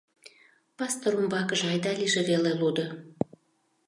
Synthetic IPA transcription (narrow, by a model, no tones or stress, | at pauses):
pɑst̪oɾumbɑkəʒɑjd̪ɑlʲiʒeβelelud̪ə̆